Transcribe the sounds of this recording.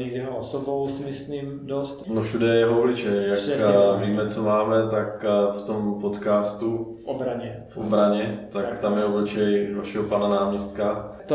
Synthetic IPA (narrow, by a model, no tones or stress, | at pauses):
nizjɛɦoosobowsɪmɪslim | dost̪nofʃudɛjɛɦooblɪt͡ʃɛjjakviːmɛt͡somaːmɛt̪akft̪o̞mpo̞t̪kaːst̪u | ʔobɾaɲɛ | fʔobɾaɲɛt̪akt̪amjɛoblɪt͡ʃɛjdalʃiɦopananaːmɲɛst̪̚kat̪